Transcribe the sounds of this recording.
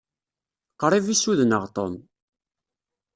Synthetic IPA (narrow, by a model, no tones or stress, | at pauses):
qɾˤivisuðnəʁt̪ˤo̰m